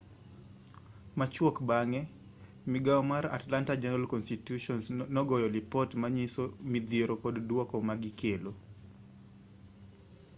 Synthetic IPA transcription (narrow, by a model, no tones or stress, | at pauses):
mat͡ʃwɔkbaŋɛ | mɪɡaɔmaɾa̰tlantad͡ʒɛnalkɔnstitjuʃɔnsnɔɡɔjɔlipɔtmaɲisomid̪jeɾokɔddwɔkɔmaɡɪkʰelo